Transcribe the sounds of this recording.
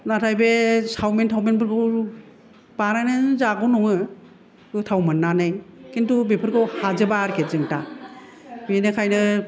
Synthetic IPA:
natʰajbesawmentʰawmenbɯɾɡɯw | b̥anajnɯzaɡɔnɔŋɯ | kɯtʰawmɯnːanajkintubepʰɯɾkʰɯwhazɯbaɾkʰezɯŋta | binɯkʰajnɯ

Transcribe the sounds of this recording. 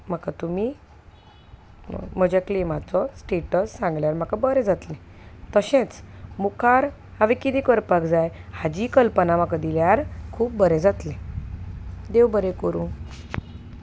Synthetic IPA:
m̤əkat̪umi | m̤əd͡ʑaklemat͡sɔsʈeʈəsːãŋɡljaɾm̤akabəɾed͡zat̪lẽ | t̪əɕẽt͡smukʰaɾ | haʋikid̪ikəɾpakd͡zajhad͡ʑiːkəlpənamakad̪iljaɾkʰuːp̚bəɾẽd͡zat̪lẽ | d̪ewbəɾẽkəɾũː

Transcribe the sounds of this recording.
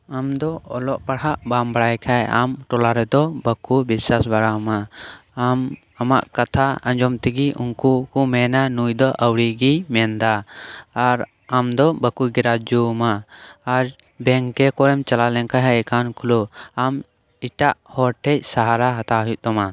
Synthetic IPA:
amd̪ɔɔlɔʔpaɽhaʔbambaɽajkʰaja̰mʈɔlaɾɛd̪ɔbəkubiswasbaɽamaː | m | amaʔkat̪ʰaãɲd͡ʒɔmt̪ɛɡiʔuŋkukumɛnanujd̪ɔʔəwɽiɡimɛnd̪aː | ɾ | amd̪ɔbakuɡɛɾad͡ʒumaːɾ | bɛŋkɛkɔɾɛmt͡ʃalalɛŋkaɦɛɛkankʰuluam | iʈaʔhɔɾʈʰɛc̚ˀsaɦaɾaɦat̪aɦujuʔ̚d̪ɔma

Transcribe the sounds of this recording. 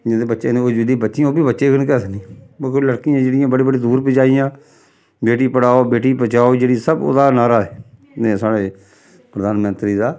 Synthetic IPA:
d͡ʒẽd̪eːbətːʃeːeod͡ʒɪlĩːbətːʃɪãoːbiːbətːʃeːkənkɛːsənĩːbkeləɽkijãːd͡ʒeːɽɪjãːbəɽiːbəɽiːd̪uːɾped͡ʒaːijãː | beːʈiːpəɽaːoːbeːʈiːpət͡ʃaːoːd͡ʒeːɽiːsəbo̰ːd̪aːnaːɾaːɛː | nẽːsaːɽeː | pɾəd̪aːnmənt̪ɾiːd̪aː

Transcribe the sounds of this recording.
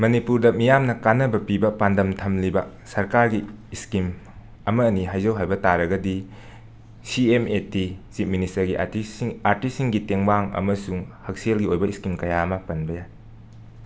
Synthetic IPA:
mɐnipuɾdɐmijamnɐkanɐbɐpibɐpandɐmtʰɐmlibɐ | sɐɾkaɾɡiːskim | ɐmɐːniɦajzɐwɦajbɐtaɾɐɡɐdi | siemetit͡ʃit̚ministɐɾɡiʔaɾtisiŋɡiteŋbaŋɐ̰mɐsuŋhɐk̚selɡiojbɐiskimkɐjamɐpɐnbɐjaj

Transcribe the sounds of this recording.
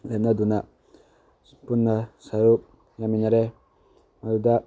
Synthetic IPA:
lenaduna | punːasajo | jamiɲaɾɛ | maduda

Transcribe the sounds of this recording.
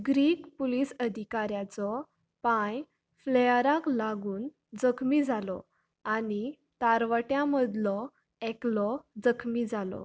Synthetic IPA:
ɡɾiːkpulisəd̪ʱikaɾjat͡sɔ | pãj | flɛjəɾãklaɡuːn | d͡zəkʰmid͡zʱalɔ̰ | ani | t̪aɾʋəʈjãməd̪lɔ | ɛklɔd͡zəkʰmid͡zalɔ̰

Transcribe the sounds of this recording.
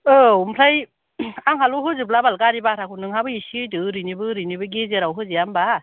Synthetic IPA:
ɯumpʰlaj | aŋhaluɦɯzɯplabalkaɾibaɾʰakʰunɯŋhabɯisijdɯɾɯnibɯɾɯnibɯɡezeɾawɦɯzijamba

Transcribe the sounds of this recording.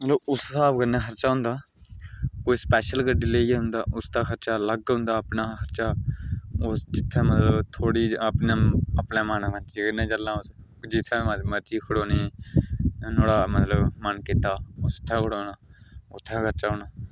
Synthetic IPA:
mət̪ləbʊssaːbɡənaːxʰəɾt͡ʃaːɦʊ̃nd̪aː | koːiːspɛːʃəlɡəɖɪleːɦʊ̃nd̪aːʔʊst̪aːkʰəɾt͡ʃaːləɡɦʊ̃nd̪aːəpnaːxəɾt͡ʃaː | osd͡ʒɪt̪ʰːɛ̃ːmət̪ləbt̪ʰoːɽiːəpneːəpneːmaːnaːməɾt͡ʃiːɡənːẽːt͡ʃəlːãːʊs | d͡ʒɪt̪ʰːɛ̃ːməməɾt͡ʃiːkʰʊɽoːneː | noːɽaːmət̪ləbmənkɪt̪aːʊst̪ʰːɛ̃ːkʰʊɽoːnaːʊ̰t̪ʰːɛ̃ːkʰəɾt͡ʃaːɦʊːnaː

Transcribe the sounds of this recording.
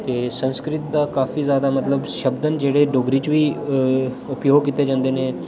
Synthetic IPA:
t̪eːsə̃nskɾɪt̪̚d̪akaːfʰizjaːd̪amɐt̪ləbʃɐbd̪ənd͡ʒeːɽeɖoːɡɾit͡ʃʋiː | ʊpjoːɡkit̪ed͡ʒə̃nd̪enẽ

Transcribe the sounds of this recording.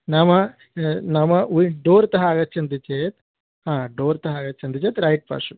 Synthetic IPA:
namɐ | nɐmɐuɖoːɾt̪ɐɦaːɡɐt̪̚t͡ʃʰɐnd̪it͡ʃeːt̪ | ɦãːɖoːɾt̪ɐɦaːɡɐt̪ːt͡ʃʰɐnd̪it͡ʃeːt̪ɾɐjʈ̚pa̰ːʂu

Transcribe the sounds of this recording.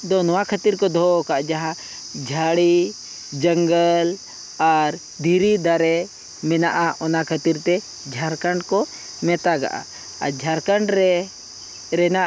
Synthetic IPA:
d̪ɔnɔwakʰət̪iɾkɔd̪ʱɔkaʔd͡ʒaɦã | d͡ʒʱaɽi | d͡ʒəŋɡəl | aɾ | d̪ʱiɾid̪aɾɛ | mɛnaʔaʔɔnakʰət̪iɾt̪ɛ | d͡ʒʱaɾkaɳɖkɔ | mɛt̪aɡa̰ʔa̰ | ad͡ʒʱaɾkəɳɖɾɛ | ɾɛna

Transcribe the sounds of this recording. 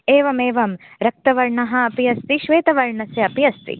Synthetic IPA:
eːʋɐmeːʋɐm | ɾɐk̚t̪ɐʋɐɾɳɐɦɐ̆ːpijɐst̪iʃʋeːt̪ɐʋɐɾɳɐsjɐɐpijɐst̪ḭ

